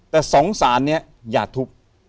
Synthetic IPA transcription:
t̪ɛː˨˩sɔː˨˩˦ŋsaː˩˦nːi˦˥ɐ | jaː˨˩k̚t̪ʰu˦˥k̚

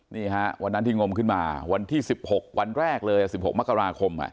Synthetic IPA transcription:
niː˥˩ha˦˥wa˧nːa˦˥nt̪ʰiː˥˩ŋo˧mkʰɯ˥˩nmaː˧wa˧nt̪ʰiː˥˩si˨˩p̚ho˨˩k̚wa˧nɾɛː˥˩k̚lɤː˧jʔa˨˩si˨˩p̚ho˨˩k̚m˦˥kːa˧ɾaː˧kʰo˧mʔa̰˨˩ʔ

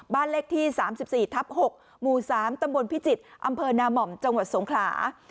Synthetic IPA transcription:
baː˥˩nle˦˥˩k̚t̪ʰiː˥˩saː˩˦msi˨˩p̚siː˨˩t̪ʰa˦˥p̚ho˨˩k̚ | muː˨˩saː˩˦mt̪a˧mbo˧npʰi˦˥t͡ɕi˨˩t̪̚ʔa˧mpʰɤː˧naː˧mɔ˨˩mt͡ɕa˧ŋwa˨˩t̪̚so˩˦ŋkʰla̰ː˩˦

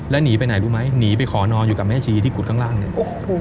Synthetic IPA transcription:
lɛː˦˥niː˩˦pa˧jna˨˩jɾuː˦˥ma˦˥jniː˩˦p̬a˧jkʰɔː˩˦nɔː˧njuː˨˩ka˨˩p̚mɛː˦˥˩t͡ɕʰiː˧t̪ʰiː˥˩ku˨˩t̚kʰaː˥˩ŋlaː˥˩ŋni˧˥˩ʔo˧˩˧

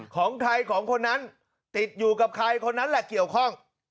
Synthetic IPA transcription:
kʰɔː˩˦ŋt̪ʰa˧jkʰɔː˩˦ŋkʰo˧nːa˦˥n | t̪i˨˩t̪̚juː˨˩ka˨˩p̚kʰa˧jkʰo˧nːa˦˥nlɛ˨˩ki˨˩əwkʰɔ˥˩ŋ

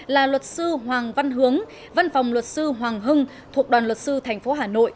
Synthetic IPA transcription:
laː˨˩lwə˨˩t̚sɨ˧ɦwaː˨˩ŋva˧nɦɨ˨˦əŋ | va˧nfɔ˨˩wŋ͡mlwə˨˩t̚sɨ˧ɦwaː˨˩ŋɦɨ˧ŋ | t̪ʰu˨˩ək̚ɗwaː˨˩nlwə˨˩t̚sɨ˧t̪ʰɛ˨˩jŋ̟fo˨˦ɦaː˨˩no̰˧˨jʔ

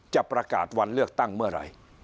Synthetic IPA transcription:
t͡ɕa˨˩pɾa˧ka̰ː˨˩t̪̚wa˧nlɯ˥˩ək̚t̪a˥˩ŋmɯ˥˩ɐɾa̰˧˩j

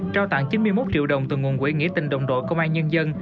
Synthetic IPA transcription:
t͡ɕaː˧wt̪a̰ː˧˨ŋt͡ɕi˨˦nmɨ˧əjmo˦˥t̚t͡ɕḭ˧˨əwɗə˨˩wŋ͡mt̪ɨ˨˩ŋu˨˩ənkwi˧˨˦ŋḭ˧˥ət̪ï˨˩ŋ̟ɗə̰˧˨wŋ͡mɗo̰˧˨jkə˧wŋ͡mʔaː˧nɲə˧nzə˧n

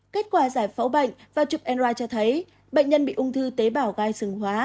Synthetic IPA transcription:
ke˦˥t̚kwaː˧˩zaː˧˩jfa˨˦wɓə̰˧˨jŋ̟vaː˨˩t͡ɕu˨˩p̚ʔɛ˧nzwaː˧jt͡ɕɔ˧t̪ʰə˨˦j | ɓə̰˧˨jŋ̟ɲə˧nɓḭ˧˨ʔʊ˧ŋ͡mt̪ʰɨ˧t̪e˨˦ɓaː˧˩wɣaː˧jsɨ˨˧˩ŋhwaː˨˦

